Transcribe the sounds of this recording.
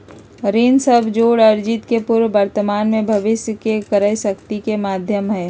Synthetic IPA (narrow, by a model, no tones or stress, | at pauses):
ɾiːnsəbʱd͡ʒoːɽɐɾd͡ʒɪt̪kepʊɾʋʋɐɾt̪əmaːnmẽbʱɐʋɪsjəkekəɾəiʃɐkt̪ikemaːd̪ʱjəmɦɛː